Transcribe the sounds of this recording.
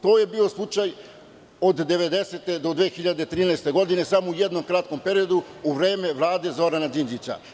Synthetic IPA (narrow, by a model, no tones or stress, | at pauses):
t̪o̞ːje̞biːo̞slˠut͡ʂaj | o̞d̪ːe̞ʋe̞d̪e̞se̞t̪e̞d̪od̪ʋe̞ːxiʎad̪e̞t̪ɾiːnɛːst̪e̞ɡo̞d̪ine̞samoujed̪no̞mkɾat̪̚ko̞mpe̞ɾio̞d̪uuʋɾe̞ːme̞ʋlˠaːd̪e̞zo̞ɾanad͡ʒind͡ʑit͡ɕa̰